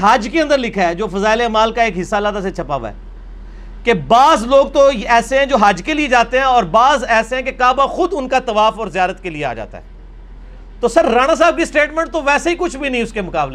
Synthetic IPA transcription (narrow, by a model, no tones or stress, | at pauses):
ɦɐd͡ʒkeɐ̃nd̪əɾlɪkʰaɛd͡ʒoːfɐzaːɪlemaːlkaeːkɦɪsːalaːt̪aset͡ʃʰɐpa̰ːʋa̰ɛ̰ː | kebaːzloːɡ̚t̪oɛːseɦɛ̃d͡ʒoːɦɐd͡ʒkelied͡ʒaːt̪eɦɛ̃ɔːɾbaːzɛːseɦɛ̃kekaːbãxʊd̪ʊnkat̪ɐʋaːfɔːɾzɪjaːɾət̪keliea̰ːd͡ʒa̰ːt̪a̰ɦɛ̰ː | t̪oːsɐɾːaːñas̬aːb̚kisʈeːʈmɛ̃ɳʈ̚t̪oʋɛːseɦikʊt͡ʃʰbʱinɐ̃ɦĩʊskemʊkaːble